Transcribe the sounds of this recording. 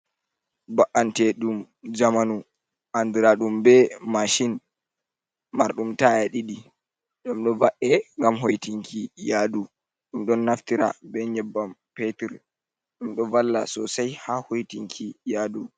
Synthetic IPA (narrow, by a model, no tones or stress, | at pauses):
baʔːantɛɗum | d͡ʒamanu | ʔandiɾaɗumbɛmaʃin | maɾɗumtaɛɗiɗi | ɗumɗɔvaʔɛŋɡamɦojtiŋkʰijaːdu | ɗumɗɔnːaftiɾa̰bɛɲɛbːampetiɾ | ɗumɗɔvalːa̰sɔsajhahojtiŋkʰijaːdu